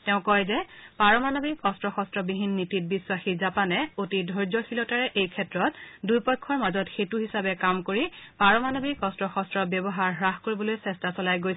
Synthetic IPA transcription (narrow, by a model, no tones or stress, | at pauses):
tɛʊ̃kɔjzɛpaɹɔmanobikɔstɹɔxɔstɹɔbiɦinːitit̚biswaxizapanɛotidʱɔɹzɔxilɔtaɹɛʔejkʰɛtɹɔtdujpɔjkʰːɔɹmazɔtxetuɦisabɛkamkoɹipaɹɔmanobikɔstɹɔxɔstɹɔbjɔbɔɦaɹɦɹaxkoɹibɔlojsɛstasɔlajɡojs